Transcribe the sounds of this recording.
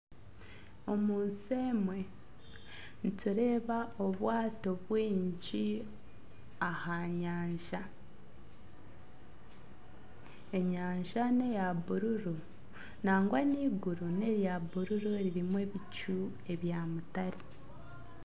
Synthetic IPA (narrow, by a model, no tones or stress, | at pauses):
o̞muːnse̞mwe̞ | nituɾe̞ːβaoβwaːto̞βwiːɲɟi | ahaɲaːɲʒa | eɲaːɲʒane̞jaβuɾuɾu | naːŋɡwaniːɡuɾune̞ɾjaβuɾuɾuɾiɾimwe̞βicu | e̞βjaːmutaɾi